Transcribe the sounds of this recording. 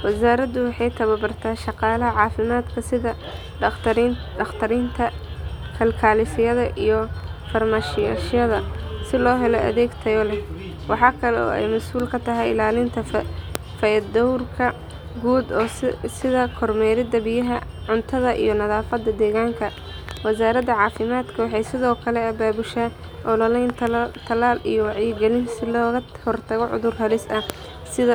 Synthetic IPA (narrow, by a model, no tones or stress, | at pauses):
wɐsaːɾɐðʊwɑħɑjt̪ʰɐβɐbɐrt̪ʰaːʃɑqɑːlɐɦɐʕɑːfɪmaːd̪kʰɐsɪðɐ | ɐxt̪ʰɐɾɪnt̪ʰɐkʰɐlkʰaːlɪsɪjɐðɐʔijɞfɐrmaːʃɪjaʃjɐðɐsɪlɔːɦɛlɔʔɐ̰ðɛːɡt̪ʰɐjɔlɛ | wɑħɑːkʰɐlɛɔ̰ːɛ̰jmɐsuːlkʰɐt̪ʰɐɦɛjɪlaːlɪnt̪ʰɐ | fɐjɐd̪ɐwrkʰɐ | ɡuːd̪ɔːsɪðɐkʰɔrmɛɾɪd̪ɐbɪjɐɦɐ | ʕʊnt̪ʰɐðɐʔḭjɞnɐðaːfɐd̪ːɐd̪ɛːɣaːŋkʰɐ | wɐsaːɾɐd̪ɐʕɑːfɪmaːd̪kʰɐwɑħɑjsɪðɔːkʰɐlɛɐbaːbʊʃaː | ʔɔlɔlɛjnt̪ʰt̪ʰɐlaːlḭjɔwɑʕjɪɡɛlɪnsɪlɔːɣɐ | hɔrt̪ʰɐɣɔʕʊ̰ðʊrhɐlɪsɐ | sɪðɐ